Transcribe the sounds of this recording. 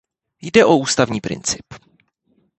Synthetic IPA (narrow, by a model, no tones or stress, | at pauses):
jdɛʔo̞uːst̪avɲiːpɾɪ̰nt͡sɪ̥p